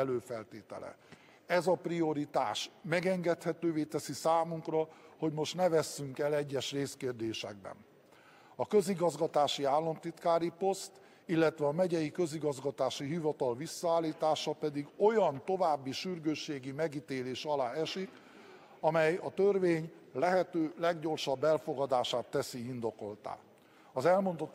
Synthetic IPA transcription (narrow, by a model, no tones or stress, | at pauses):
ɛløːfɛlt̪eːt̪ɛ̰lɛ̰ | ɛzɒprijo̞ɾit̪a̰ːʃmɛɡɛŋɡɛt̪hɛt̪øːveːt̪ɛsisaːmuŋkrɒho̞ɟmo̞ʃt̪nɛvɛsːyŋkɛlɛɟːɛʃreːskeːrd̪eːʃɛ̰ɡ̚bɛ̰n | ɒkø̞ziɡɒzɡɒt̪aːʃiaːlːɒmt̪it̪kaːɾipo̞st̪ | ilːɛt̪ʋɛɒmɛɟɛjikø̞ziɡɒzɡɒt̪aːʃiɦivɒt̪ɒlvisːɒaːlːiːt̪aːʃɒpɛd̪iɡo̞jɒnt̪o̞vaːbːiʃyrɡøːʃːeːɡimɛɡit̪eːleːʃɒlaːɛʃik | ɒmɛjɒt̪ørveːɲ | lɛɦɛt̪øːlɛɡɟo̞rʃɒbːɛlfo̞ɡɒd̪aːʃaːt̪ːɛsiind̪o̞ko̞lt̪a̰ː | ɒzɛlmo̞nd̪ot̪ː